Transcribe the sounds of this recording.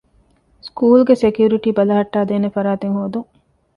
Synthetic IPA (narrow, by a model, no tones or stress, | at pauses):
skuːlɡesekijuɾiʈiːbɐlɐɦɐʈːaːd̪eːnefɐɾaːt̪eŋɦoːd̪uŋ